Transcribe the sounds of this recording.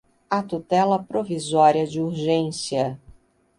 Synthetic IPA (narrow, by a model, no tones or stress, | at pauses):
ɐt̪ut̪ɛlɐpɾovizɔɾiɐd͡ʒɪuɾʒẽsiɐ